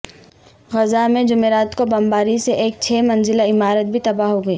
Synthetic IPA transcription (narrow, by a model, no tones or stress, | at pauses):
ɣɐzamẽd͡ʒʊmeːɾaːt̪kobɐmbaːɾiseʔeːk̚t͡ʃʰɛːmɐ̃nzɪlaɪmaːɾət̪̚bʱit̪ɐbaɦoɡɐeː